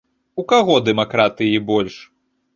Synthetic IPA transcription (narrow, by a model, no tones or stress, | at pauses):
ukaɣɔd̪ɛmakɾat̪ɨjibɔlʲʂ